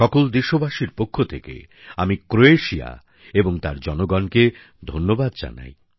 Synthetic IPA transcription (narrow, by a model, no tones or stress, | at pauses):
ʃɔkold̪iʃobaʃiɾpokʰːot̪ʰekḛ | amikɾoeʃia̰ | eboŋt̪aɾd͡ʑɔnoɡɔnke | d̪ʱonːobad̪d͡ʑa̰na̰j